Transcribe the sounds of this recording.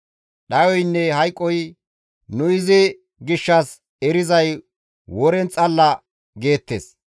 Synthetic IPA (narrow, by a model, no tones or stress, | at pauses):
ɗɐjɔjnːɛɦɐjkʼːɔj | nʊɪzɪ | ɡɪʃːɐs | ɛɾɪzɐj | wɔɾɛnt͡sʼɐlːɐ | ɡe̞ːt̪ːḛs